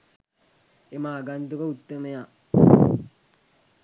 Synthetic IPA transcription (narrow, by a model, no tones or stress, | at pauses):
emaːɡant̪ukəut̪ːəməja